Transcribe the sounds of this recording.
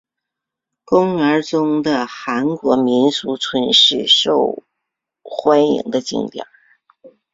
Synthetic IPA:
kʊ˥ŋə˞˧˥t͡sʊ˥ŋd̪ə˨xa˧˥nkwɔ˧˥mi˧˥nt͡su˧˥t͡sʰwə˧˥nʂɻ̩˥˩ʂo˥˩ʊ | xwa˥nḭ˧˥ŋd̪ə˧t͡ɕḭ˥˧˩ŋt̪jɑ̰˨˩˦

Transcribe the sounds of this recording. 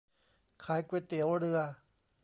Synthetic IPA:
kʰaː˨˦jkwe˧˩t̪i˨˦wɾɯ˧ɐ

